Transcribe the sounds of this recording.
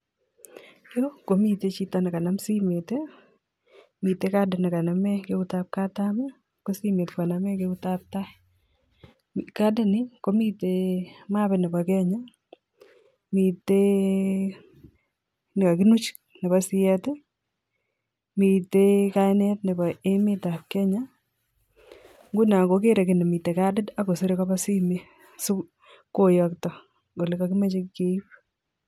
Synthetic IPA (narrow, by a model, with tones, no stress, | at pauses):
jo˦ko˨mi˦˨t̪e˦t͡ʃi˦t̪ɔ˦nɛ˨ka˨na˦msi˦me˨t̪e˦ | mi˨t̪e˦ka˦dɪ˨nɪ˨ka˨na˨mɛ˦ke˦u˦ta˦p̚ka˦t̪a˦mɛ˦ | ko˦si˦me˨t̪ka˨na˨˦mɛ˦ke˦u˦ta˦p̚t̪a˦ | ika˦dɪ˦nɪ˦ko˦mi˦t̪e˦ma˦bɛ˨nɪ˨pa˨kɛ˦ɲa˦ | mi˨t̪e˦ | nɪ˨ka˨kɪ˦nu˦t͡ʃ | ne˨basi˦ɛ˦te˦ | mi˨teka˦jnɛ˦tne˨ba˨e˦me˦ta˨kːɛ˦ɲa˦ | ŋɡu˦na˨ko˨ke˦ɾe˨kɪ˨ne˨mi˨te˨ka˦dɪ˦da˦ko˨se˦ɾe˦ka˦ba˦si˦me˦ | su˦ | kojɔktɔ˨ | ɡo˨le˨˦ka˦kɪ˦me˦t͡ʃe˦ke˦i˦p